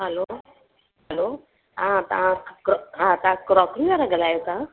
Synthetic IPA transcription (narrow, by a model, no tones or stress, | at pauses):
ɦəlo | ɦəlo | ɦãt̪ɐ̰ʋãɦãt̪ɐãkɾɔːkɾiʋaːɾaɡɐlaːjosã